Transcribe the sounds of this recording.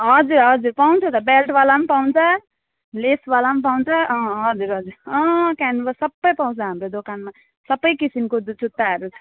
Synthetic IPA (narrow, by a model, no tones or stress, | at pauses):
ɦʌd͡zuɾɦʌd͡zuɾpaw̃nt͡sʰʌt̪ʌbelʈbalamapaw̃nt͡sʰʌ | lesbalamap̬aw̃nt͡sʰʌʌ̃ɦʌd͡zuɾɦʌd͡zuɾʌ̃kanbʌsʌbːʌjpaw̃t͡sʰʌɦamɾod̪okanma | sʌbʌjkisimkodt͡sut̪ːaɦʌɾuʌ̥